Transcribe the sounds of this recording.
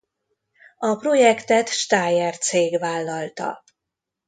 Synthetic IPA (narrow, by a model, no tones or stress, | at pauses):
ɒpro̞jɛkt̪ɛt̪ʃt̪aːjɛrt̪seːɡvaːlːɒlt̪ɒ̰